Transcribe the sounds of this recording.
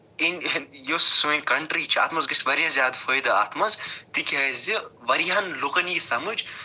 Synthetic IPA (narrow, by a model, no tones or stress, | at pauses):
injossmenʲkɐɳʈɾiːt͡ʃʰia̰ːt̪mɐzɡɐsʋɐɾjazʲjaːd̪fəjd̪ɨa̰ːt̪mɐzt̪ikʲɐziʋɐɾijanlukɐnjisɐmɨd͡ʒ